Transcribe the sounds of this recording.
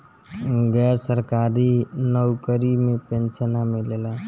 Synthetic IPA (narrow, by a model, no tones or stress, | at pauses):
ɡɛɾsəɾkaɾinəwkəɾimepensənamelela